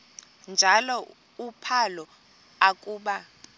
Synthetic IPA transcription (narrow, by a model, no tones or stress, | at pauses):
nd͡ʒʱalɔ | upʰalɔ | akʼuːɓa